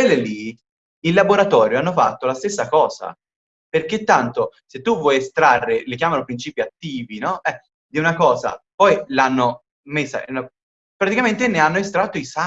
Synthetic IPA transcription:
elːeli | ilːaboɾat̪ɔːɾjoanːofa̰t̪ːolast̪esːakɔːz̥a̰ | perket̪ːant̪oset̪ːuvːwɔjest̪ɾarːelik̬jaːmanopɾint͡ʃiːpiat̪ːiːvinɔɛ | d̪iunakɔːza̰pɔjlanːo | mesːa̰ɛno | pɾat̪ikament̪eneanːoest̪ɾat̪ːoisa

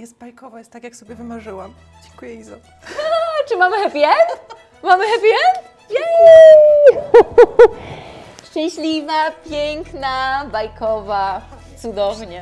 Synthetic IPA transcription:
jɛst̪̚bajkɔvajɛst̪ːakjaksɔbʲjɛvɘmaʐɘwam | d͡ʑɛŋkujɛiza | t͡ʂɨmamɘxɛpʲjɛm | mamɘxɛpʲɛ | jɛ | ʂt͡ʂɛ̃w̃ɕlʲivapʲjɛŋknabajkɔva | t̪sud̪ɔvɲɛ

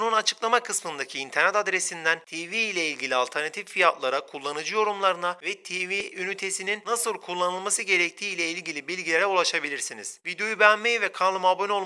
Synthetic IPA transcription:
nunat͡ʃʰɯ̥klˠamakʰɯsmɯnd̪acʰiːnt̪ʰɛɾnɛt̪ad̪ɾesind̪ænt̪ʰevilʲɛilʲɟilʲialʲt̪ʰɛɾnat̪ʰiffijat̪lˠaɾakʰulˠːanɯd͡ʒɯjo̞ɾumlˠaɾɯnavɛt̪ʰeviynyt̪ʰe̞sininnːasɯlˠkʰulˠːanɯlˠmasɯɟe̞ɾɛc̚t̪ʰiːlʲɛilʲɟilʲibilʲɟilʲeɾɛulˠaʃabilʲiɾsinḭz̥vid̪jo̞jybænmejvɛkʰanlˠɯmabonʲo̞lˠ

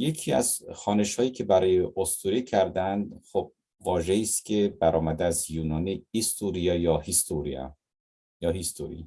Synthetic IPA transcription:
je̞cʰiːæ̰zxɒːne̞ʃhɒːjiːcʰebæɾɒːjeʔost̪ʰuɾicʰæɾd̪ænd̪xob̥̚ | vɒːʒeiːst̪cʲʰe̞bæɾɒːmæd̪eæzjuːnɒːniist̪uɾijɑjɒːhist̪ʰuɾḭɒ̰ | jɒːhist̪ʰoɾḭ

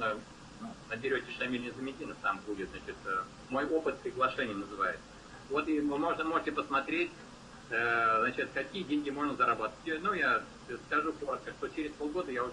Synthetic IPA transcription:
ə | nunəbʲɪɾʲotʲɪʂɐmʲilʲnʲɪzɨmʲɪdʲinəft̪ambudʲɪt̪znat͡ɕɪt̪ə | mo̞jopɨt̪̚pɾʲɪɡlˠɐʂɛnʲɪjənəzɨva̰jɪt̪sə | vo̞t̪imɨmoʐnəmo̞ʐɨtʲɪpəsmɐt̪ɾʲetʲ | əznat͡ɕɪt̪kɐkʲijədʲenʲɡʲɪmo̞ʐnəzəɾɐbat̪ə̥tʲnuja | skɐʐukoɾət̪̚kəʂt̪o̞t͡ɕɪɾʲɪspo̞lˠɡo̞d̪əjaʊ

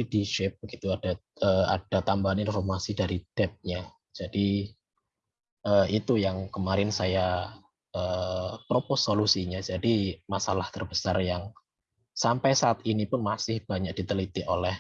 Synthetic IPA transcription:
idiʃɪp̚ɡit̪uad̥a | əa̰d̥at̪ambaɦaninfɔrmasidaɾid̥ɛp̚ɲa | d͡ʒadi | ʔəit̪ujaŋkəmaɾɪnsaja | əpɾopɔsolusiɲad͡ʒadimasalaht̪ərbəsarjaŋ | sampajsaːt̪inipʊnmasɪhb̥aɲak̚d̥it̪əlit̪iʔo̰lɛh

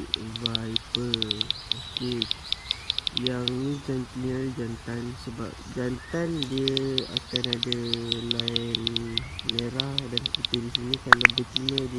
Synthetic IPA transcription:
vajpəoke | jaŋnid͡ʒanp̪liəɾd͡ʒant̪ansəba̰p̚d͡ʒant̪andiəa̰kanadalaɪnː | eɾahdankit̪ədisinikalabət͡ʃinəd

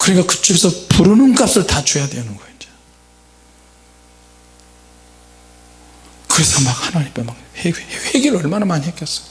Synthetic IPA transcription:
kɯɾeɡakɯ̥t͡ɕ͈uɡesʰʌpuɾɯnɯnk͈ap̚s͈ɯɭtat͡ɕojadwenɯnɡʌind͡ʑa | kɯɾe̞sʰʌmak̚hanaɾip͈emak̚heheɡiɾɯʌɭmanamaɲiɦek͈jʌs͈ʌ̥

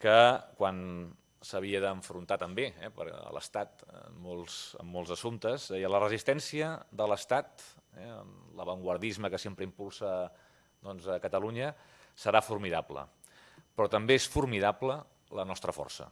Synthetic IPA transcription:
kəkwan | səβ̞iəðəːɱfɾunt̪at̪əmbeɛpə̰ɾə̰lə̰st̪at̪əmːolˠzə̰mːɔlˠzəsunt̪əzɛjələrəzist̪ɛnsiəðələst̪at̪ɛə̰mləβəŋɡwəɾðizməkəsempɾəimpulˠsə | d̪ɔnzəkət̪əluɲə | səɾafurmiðaplə̰ | pɾɔt̪əmbeesfuɾmiðaplə | lənɔst̪ɾəfɔ̰rsə̰

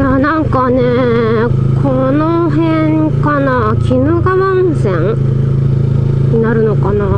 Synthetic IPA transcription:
janãŋkane | kʰo | no | ɦẽŋ | kana | kʲinɯɡamansẽŋ | ɲinaɾɯ̟no̞kana

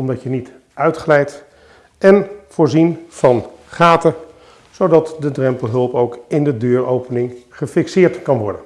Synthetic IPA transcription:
ɔmdɑcjənit | œɥtχlɛjt | ɛnv̥ʊːɹzinv̥ɑn | χaːtə | z̥owdɑtdədrɛmpəlˠɦɵlˠpowkɪndədøːɹowpənɪŋχəfɪksɪːɹtkɑnʋɔɹdən

